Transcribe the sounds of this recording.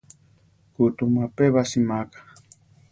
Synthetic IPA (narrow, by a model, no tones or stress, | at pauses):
kut̪umapeβasimakḁ